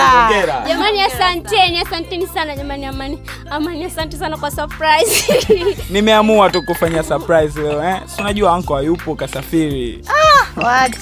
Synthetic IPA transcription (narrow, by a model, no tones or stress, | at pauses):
ɔɡɛɾaʄamaniasantɛniasantɛnisanaʄamaniamani | amaniasantɛsanakwasapɾaiz | nimɛamuatukufaɲasapɾaizilɛɔɛsunaʄuaaŋkɔajupɔkasafiɾiajawa